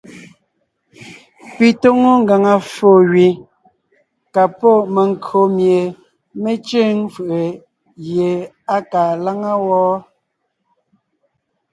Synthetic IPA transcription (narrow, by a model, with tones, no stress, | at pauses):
pi˨to˦ŋo˦ŋ̩˦ɡa˨ŋa˨fo˦˨ɣɥi˨ | ka˨pɔ˦˨me˨ŋ˨ko˨mje˨ | me˦t͡ʃe˦ŋfɯ˨ʔe˨ | ɣje˨ | a˦kaː˨la˦ŋa˦wɔː˦